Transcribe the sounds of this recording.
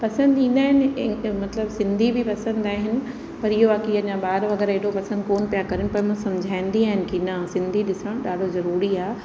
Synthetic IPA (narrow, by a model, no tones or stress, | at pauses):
pɐsə̃nd̪ĩːn̆d̪aːɦɪnɪmɐt̪ləbsɪ̃nd̪ʱibʱipɐsə̃nd̪aːɦɪnɪ̆ | pɐɾɪɦoʋaːkiɐɲãɓaːɾʋɐɡɛːɾɦeɽopɐsə̃nd̪koːnpijakɐɾɪnɪ̆pɐmũːsɐ̃md͡ʑʱaːɪ̃nd̪iaːɦɪnɪ̆kinɐsɪ̃nd̪ʱiɗɪsəɽ̃ɗaːɖ̤ʱozɐɾuːɾiaː